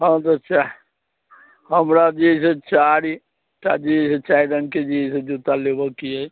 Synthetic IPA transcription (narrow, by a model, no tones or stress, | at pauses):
ɦãt̪ət͡ʃːt͡ʃʰa | ɦəmɾad͡ʒiset͡ʃaɾi | ʈad͡ʒiset͡ʃaid̪ənked͡ʒised͡ʒut̪alebəkiəj